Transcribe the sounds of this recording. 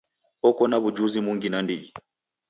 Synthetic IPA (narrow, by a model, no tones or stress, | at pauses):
ɔkɔnaβud͡ʒuzimuŋɡinandii